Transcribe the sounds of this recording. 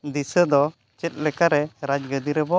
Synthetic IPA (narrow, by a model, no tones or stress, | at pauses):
d̪isəd̪ɔ | t͡ʃɛt̪̚ˀlɛkaɾɛɾad͡ʒɡəd̪iɾɛbɔ